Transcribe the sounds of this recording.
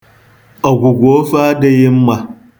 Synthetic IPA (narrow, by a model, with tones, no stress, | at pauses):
ʔa˨ɡʷu˨ɡʷoː˦ɸaː˦da˨jɪ˦mːa˨